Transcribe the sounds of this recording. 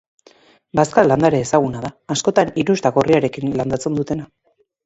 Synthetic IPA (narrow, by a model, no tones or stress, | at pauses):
baskaland̪aɾe̞ːsaɣunaðaːsko̞t̪aniɾuzt̪aɣoriaɾe̞kinland̪at͡se̞nd̪ut̪e̞na